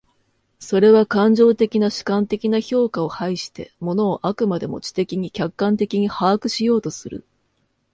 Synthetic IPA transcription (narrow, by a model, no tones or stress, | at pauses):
so̞ɾe̞β̞akãɲ̟d͡ʑo̞ːt̪e̞kʲinaɕi̥kãnt̪e̞kʲinaço̞ːkao̞haiɕi̥t̪e̞̰mo̞no̞ːʔakɯ̟mad̪e̞mo̞̰t͡ɕi̥t̪e̞kʲiɲ̟ikʲakːãnt̪e̞kʲiɲ̟ihaːkɯ̟ɕijo̞ːt̪o̞sɨɾɯ̟̰